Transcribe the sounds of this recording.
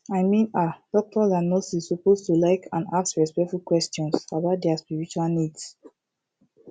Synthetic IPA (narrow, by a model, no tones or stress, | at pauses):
aɪmĩnad̥ɔk̚tʰɔzãnosissɔpostulaɪkʰã̰nasɹɛspɛk̚tfulkwɛstɔ̃nsabaʊt̚dɛaspiɹit͡ʃualnids